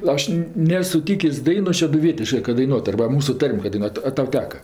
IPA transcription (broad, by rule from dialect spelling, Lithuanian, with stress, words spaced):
ˈɐʃ ˈnʲeːs sʊˈtʲiːkʲeːsʲ ˈdɐɪnoːs ʃʲɛdʊˈʋʲiɛtʲɪʃkɜ kɐt dɐɪˈnuɔt ɐrbɐ ˈmuːsʊ ˈtɐrʲmʲ kɐ dɐɪˈnuɔtʊ ɐ ˈtɐʊ ˈtʲæːkɐ